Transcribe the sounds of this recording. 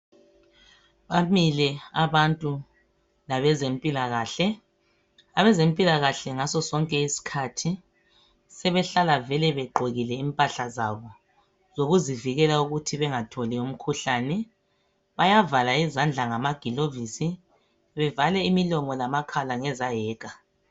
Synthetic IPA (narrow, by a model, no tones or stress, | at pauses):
βamilɛaβantʼu | laβɛzem̩pʼilaɣaːɬɛ | aβɛzem̩pʼilaɣaɬɛŋasɔsɔŋkʼɛisi̥kʰatʰi | sɛβɛɬalavɛlɛβɛɡ͡ǃʱoɣilɛimpʼaɬazaβɔ | zoɣuziviɣɛlauɣutʰiβɛŋatʰɔlium̩kʰuɬaːnɛ | βajavalaizand͡ɮʱaŋamaɡ̥ʱilovisi | βɛvalɛimilɔmɔlamakʰalaŋɛzajɛːkʼa